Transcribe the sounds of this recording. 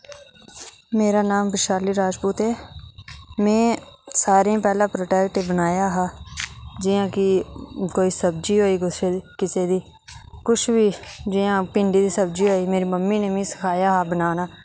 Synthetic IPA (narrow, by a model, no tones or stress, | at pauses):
meːɾaːnaːmbɪʃaːliːɾaːd͡ʒpuːt̪eː | mɛ̃ːsaːɾãːpɛːlãːpɾoːʈɛːkʈeːbənaːjaːɦaːd͡ʒɪãːkɪkoːiːsəb̚d͡ʒiːɦoːiːkʊekɪseːd̪iː | kʊt͡ʃʰʋiːd͡ʒɪjãːpɪ̃ɳɖiːd̪iːsəb̚d͡ʒiːɦoːiːmeːɾiːməmːiːneːʋĩːsɪ̥kʰaːjaːɦaːbənaːnaː